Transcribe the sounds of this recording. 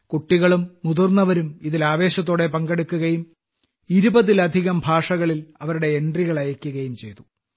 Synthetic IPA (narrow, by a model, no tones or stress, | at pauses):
kuʈːiɣɐɭumːuðurnːɐʋɐɾumiðilaːʋe̞ːɕɐt̪̬ːo̞ːɽe̞pɐŋɡɐɽukːuɣɐjum | iɾubɐðilɐd̪ʱiɣɐmbʱaːʂɐɣɐɭilɐʋɐɾuɽe̞eɳɖriɣɐɭɐjɐkʲːuɣɐjumt͡ɕe̞jt̪u